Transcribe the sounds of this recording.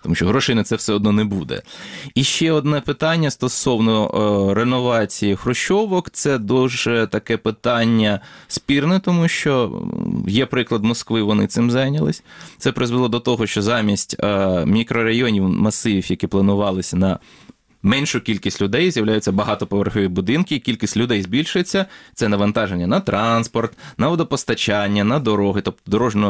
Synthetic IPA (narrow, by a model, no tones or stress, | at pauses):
t̪ɔmuʃʲt͡ʃɔɦɾɔʃejnɛt̪sɛwsɛɔd̪nɔnebud̪ɛ̰iʃt͡ʃɛɔd̪nɛpɪt̪ɑnʲːɐst̪ɔsɔwnɔɾenɔʋɑt͡sʲijixɾɔʃɔʋɔkt̪sɛd̪ɔwʒɛt̪ɐkɛpɪt̪ɑnʲːɐspʲirnɛt̪ɔmuʃt͡ʃɔ | jɛpɾɪklˠɐd̪mɔskʋɪʋɔnɪ̰t̪ɪmzɑjnʲɐlˠɪ̰sʲt̪sɛpɾɪzʋelˠɔd̪ɔt̪ɔɦɔʃt͡ʃɔzɑmʲisʲtʲmʲikɾɔɾɐjɔnʲiwmɐsɪiwjɐkʲiplˠɐnʊʋɑlˠɪsʲnɐ | mɛnʲʃʊkʲilʲkʲisʲtʲlʲʊd̪ɛjzjɐwlʲajʊt͡sʲːɐbɐɦɑt̪ɔpɔʋerxɔʋʲibʊd̪ɪnkɪːkʲilʲkʲisʲtʲlʲʊd̪ɛjzbʲilʲʃʊjet͡sʲːɐt̪sɛnɐʋɐnt̪ɑʒenʲːɐnɐt̪ɾʔɑnspɔrt̪nɐʋɔd̪ɔpɔst̪ɐt͡ʃɑnʲːɐnɐd̪ɔɾɔɦɪt̪ɔp̚t̪ɔd̪ɔɾɔʒnɔ